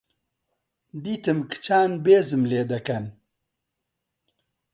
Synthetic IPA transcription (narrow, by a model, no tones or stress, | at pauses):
d̪it̪əmkt͡ɕʰaːnbeːzɨmleːd̪ɐkɐn